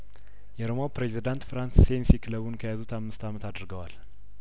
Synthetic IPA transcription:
jɛɾomawpɾezid̪ant̪fɾansːensikʰɨləβunkʰəjazut̪ʰamːɨst̪amət̪ʰad̪ɾɡəwal

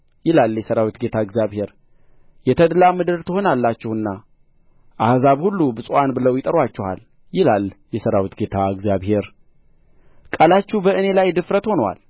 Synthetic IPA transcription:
jɪlaljɛsəɾawit̪ɡe̞t̪ʰaɨɡzjaβhe̞ɾ | jɛt̪ʰəd̪lamɨd̪ɨɾt̪ʰəho̞nalːat͡ʃːɪhɨnːa | ʔahzaβhulːubɨsʼanbɨləwjɪt̪ʼəɾwat͡ʃːɛha̰l | jɪlaljɛsəɾawit̪ɡe̞t̪ʰaɨɡzjaβhe̞ɾ | kʼəlat͡ʃːubəʔɨne̞lajd̪ɨfɾət̪ho̞nwa̰l

